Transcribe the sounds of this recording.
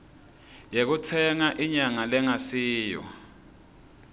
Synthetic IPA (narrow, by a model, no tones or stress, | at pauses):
jek̬utʰɛŋaʔiɲaŋalɛŋasiːjɔ̰